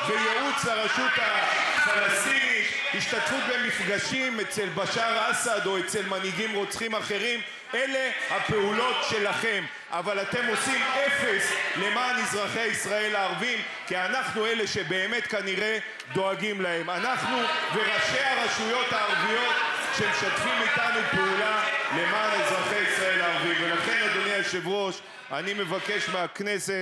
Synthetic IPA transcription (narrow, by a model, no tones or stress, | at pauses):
vejeut͡slaʁaʃut̪afalast̪inithiʃt̪at̪fut̪̚be̞mifɡaʃime̞t͡se̞lbaʃaʁasad̪o̞et͡se̞lmaniɡimʁo̞t͡sχimaχe̞ʁim | e̞le̞hape̞ulo̞t̪ʃe̞laχe̞m | ʔavalat̪e̞mo̞sime̞fe̞sle̞maːnizʁaχeaisʁae̞laːʁvim | kianaχnue̞le̞ʃe̞be̞ːme̞t̪kaniʁe̞ | d̪o̞aɡimlahe̞manaχnube̞ʁaʃe̞aʁaʃujo̞t̪haːʁvijo̞t̪ʃemʃat̪fimit̪anupeulale̞maːnizʁaχeisʁae̞laːʁvimvelaχe̞nad̪onejaʃevʁo̞ʃ | a̰nime̞vake̞ʃmeakne̞se